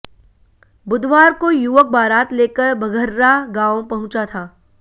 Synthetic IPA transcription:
bʊd̪ʱʋaːɾkojʊʋək̚baːɾaːt̪leːkəɾbʱɐɡʱəɾːaɡãːõpɐɦʊ̃t͡ʃat̪ʰaː

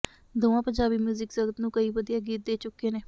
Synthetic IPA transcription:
d̪oːãːpəɲd͡ʒaːbiːmjuːzɪksəɡət̪nũːkəiːʋəd̪ijaːɡiːt̪̚d̪eːt͡ʃʊkːeːneː

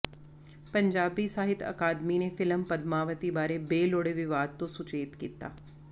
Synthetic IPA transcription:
pɐ̃ɲd͡ʒaːbisaːɦɪt̪ɐ̰kaːd̪minefɪləmpɐd̪maːʋət̪ibaːɾebeːloːɽeʋɪʋaːd̪̚t̪osʊt͡ʃeːt̪kiːt̪a̰ː

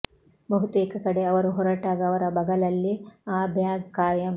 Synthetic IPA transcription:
bɐɦut̪ueːkɐkɐɽe̞ɐʋɐɾuɦɔɾɐʈaːɡɐːʋɐɾɐbɐɡɐlɐlːiaːbʱjaːɡkaːjɐm

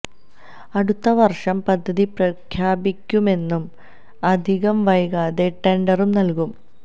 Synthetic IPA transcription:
ɐɽut̪ːɐʋɐrʂɐmpɐd̪ʱːɐðiprɐkʰjaːbikʲːume̞nːum | ɐd̪ʱiɣɐmʋɐjɣaːðe̞ʈeɳɖɐrumnɐlkum

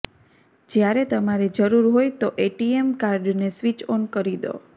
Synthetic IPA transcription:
d͡ʒjaɾet̪əmaɾed͡ʒəɾuɾɦojt̪oʔeʈiemkaɾɖnesʋit͡ʃonkəɾid̪o̰

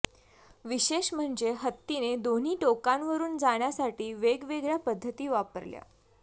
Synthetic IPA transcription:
ʋiɕeɕm̤əɳd͡zeɦət̪ːined̪on̤iːʈokãnʋəɾuːnd͡zaɳjasaʈiːʋeɡʋeɡɭjapəd̪ʱːət̪iːʋapəɾlja̰

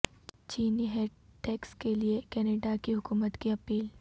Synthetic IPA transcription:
t͡ʃiːniɦɛʈɛːkskeliekɛːneːɖakiɦʊkuːmət̪kiɐpiːl

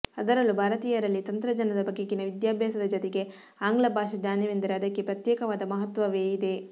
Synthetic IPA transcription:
ɐd̪ɐɾɐlubʱaːɾɐt̪iːjɐɾɐlːit̪ɐnt̪ɾɐd͡ʒɐnɐd̪ɐbɐɡːeɡinɐʋid̪jaːbʱjaːsɐd̪ɐd͡ʒɐt̪eɡe̞ | aːŋɡlɐbʱaːʃɐd͡ʒaːniʋind̪ɐɾeɐd̪ɐkːe̞pɾɐt̪jɛːkɐʋaːd̪ɐmɐɦɐt̪ʋɐʋeːjid̪e̞

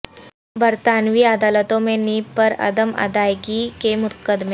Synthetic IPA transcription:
bəɾt̪anʋiːəd̪alət̪õmeniːpəɾɐ̰d̪əmə̰d̪ajɡikemʊkəd̪me

